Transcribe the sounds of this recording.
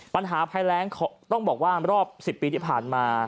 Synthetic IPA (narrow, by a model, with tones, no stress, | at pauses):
pa˧nɦaː˩˦pʰa˧jlɛː˦˥ŋkʰɔ˨˦t̪ɔ˥˩ŋbɔː˨˩k̚waː˥˩ɾɔː˥˩p̚si˨˩pːiː˧t̪ʰiː˥˩pʰaː˨˩nmaː˧